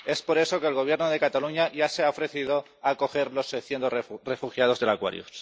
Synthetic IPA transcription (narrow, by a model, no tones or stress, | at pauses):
e̞spo̞ɾe̞so̞keːlɣ̞o̞βje̞ɾnoð̞e̞kat̪aluɲaʝaseaofɾe̞θiðo | ako̞xe̞ɾlo̞seθjent̪ore̞fuxjað̞o̞zðelakwa̰ɾjṵs